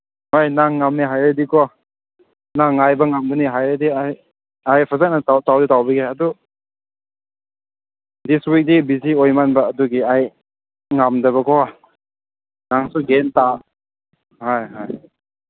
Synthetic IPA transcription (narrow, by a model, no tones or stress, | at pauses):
hojnaŋːamniɦajɾadikɔ | naŋːajbɐŋambɐniɦajɾadiaj | ajpʰazak̚natawtawdutawbiɡeadu | diswik̚dibiziojmanbɐːduɡiaj | ŋamdɐβɐkʰɔ | naŋsuɡenta | hajɦaj